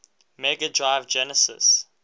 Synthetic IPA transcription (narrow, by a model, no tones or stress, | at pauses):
mɛɡədɹaɪvd͡ʒɛnəsɪ̰s